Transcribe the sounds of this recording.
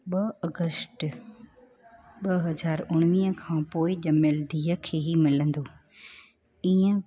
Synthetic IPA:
ɓɐɐɡəsʈ | ɓɐɦɐzaːɾʊɽ̃ʋĩːə̃kʰãːpoːɪʄɐmeld̪iːəkʰeːɦimɪlə̃nd̪oː | iːə̃

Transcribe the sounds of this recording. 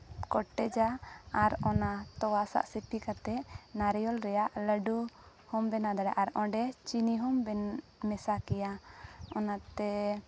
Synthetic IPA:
kɔʈːɛd͡ʒaaɾɔnat̪ɔwasa̰ʔsipikat̪ɛnaɾɛjɔlɾɛjaʔləɖu | hɔmbɛnad̪aɽaʔaɾɔ̃ɖɛt͡ʃiniɦɔmbɛmɛsakɛjaɔnat̪ɛ

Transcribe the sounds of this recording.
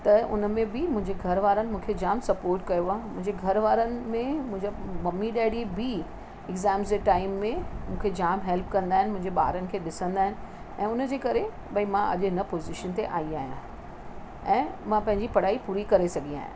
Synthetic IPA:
t̪ɐʊ̰nəmẽbɪmʊ̃ɦɪ̃ɲd͡ʑeɡʱɐɾʋaːɾənɪ̆mũːkʰed͡ʑaːmsɐpoːɾʈkɐjoaːmʊ̃ɦɪ̃ɲd͡ʑeɡʱɐɾʋaːɾənɪ̆mẽmʊ̃ɦɪ̃ɲd͡ʑamɐmːiɗɛːɽibɪ | ɪɡzɛːmzd͡ʑeʈaːɪmːẽmũːkʰed͡ʑaːmɦelpkɐ̃nd̪aːɦɪnɪmʊ̃ɦɪ̃ɲd͡ʑeɓa̰ːɾənɪ̆kʰeːɗɪsə̃nd̪aːɦɪnɪ̆ | ɛ̃ːʊnəd͡ʑeːkɐɾe | ɓɐimãʔɐ̰ʄɪnɐpoːzɪʃənt̪eʔa̰ːiaːɦijã̰ | ɛ̃ːmãpɐ̃ɦɪ̃ɲd͡ʑipɐɽ̤aːipuːɾikɐɾesɐɡʱia̰ːɦjã̰

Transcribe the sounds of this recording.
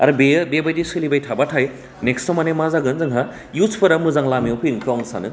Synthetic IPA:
a̰ɾɯbejbebajdisɯlibajtʰabatʰaj | nekstɔmanemazaɡɯnzɯŋɦa | juspʰɯɾamɯzaŋlamiowpʰɯnkʰɯɔŋsa̰nɯ

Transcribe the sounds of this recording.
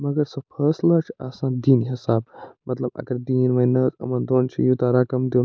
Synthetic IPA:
mɐɡɐɾsɐpʰəːslat͡ʃʰa̰sãnd̪iːnɦisaːb̚mɐt̪lɐbɐ̰ɡɐɾd̪iːnʋɐnət̪ɐ̰mɐnd̪oːnt͡ʃʰḭjut̪aɾɐkɐmd̪i

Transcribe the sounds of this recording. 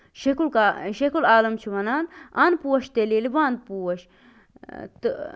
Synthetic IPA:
ʃekulkaʃekulaːlɐmt͡ʃʰiʋɐnaːna̰npuːwɐʃt̪elelibãːnd̪̚puːɐʃ | t̪ɨ

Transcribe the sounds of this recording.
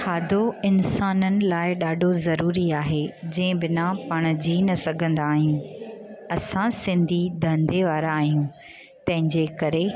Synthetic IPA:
xaːd̪ʱoɪnsaːnənɪ̆laːɪɗaːɖʱozɐɾuːɾiaːɦeːd͡ʑɐ̃ːɪ̃bɪnapɐɽ̃d͡ʑiːnɐsɐɡʱə̃nd̪aːɦijũ | ɐsãsɪ̃nd̪ʱid̪ʱɐ̃nd̪ʱeʋaːɾaːɦijũ | t̪ɐ̃ɦɪ̃ɲd͡ʑeːkɐɾe

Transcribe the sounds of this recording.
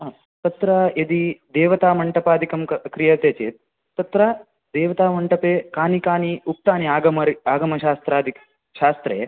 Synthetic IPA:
t̪ɐt̪ɾajed̪id̪eːʋɐt̪aːmɐɳʈɐpaːd̪ʱikɐmkɐkɾijɐt̪eːt͡ʃḛːt̪̚ | t̪ɐt̪ɾɐ | d̪eːʋɐt̪aːmɐɳʈɐpeːkaːnikaːniuk̚ʈ̪aːniaːɡɐmɐɾaːɡɐmɐʃaːst̪ɾaːd̪ʱik | ʃaːst̪ɾḛː

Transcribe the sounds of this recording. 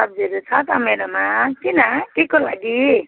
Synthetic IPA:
ʌb̚d͡ziɾut͡sʰʌt̪ʌmeɾomat̪inaʈikolaɡi

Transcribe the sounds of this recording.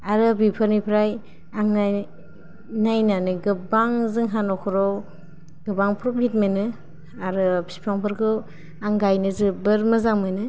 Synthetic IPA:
aɾɯbipʰɯɾnipʰɾaj | aŋa | najnanɯɡɯbaŋzɯŋɦanɔkʰɔɾɔ | ɡɯbaŋpʰɾɔp̚it̚menɯ | aɾɯpʰi̥pʰaŋpʰɯɾkʰɯ | aŋɡajnɯzɯbɯɾmɯzaŋmɯnɯ

